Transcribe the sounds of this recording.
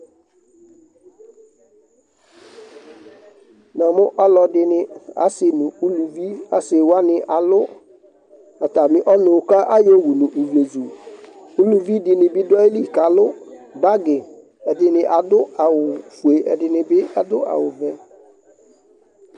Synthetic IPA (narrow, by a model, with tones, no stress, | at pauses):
nã˨mʊ̃˦ʔa˦lɔ˨dɪ˨nɪ̃˦a̰˦sɪ˨nʊ̃˨u˦lu˨vi˦a˨sɪ˨wa˦nɪ̃˨ʔa˨lʊ˦ | a˨ta˨mɪ̃˦ʔɔ˦nʊ̃˨ka˦ʔa˦jo˦wu˨nʊ̃˨ʔu˨vi˨e˨zu˨ | u˦lu˨vi˦dɪ˨nɪ̃˨bɪ˦dɔ˦e˦li˦˨ka˨lʊ˦ba˦ɡɪ˨ | ɛ˨dɪ˨nɪ̃˨ʔa˨dʊ˦a˨wʊ˨fu˨e˨ʔɛ̰˨dɪ˨nɪ̃˨bɪ˦a˦dʊ˦ʔa̰˨wʊ˨vɛ˦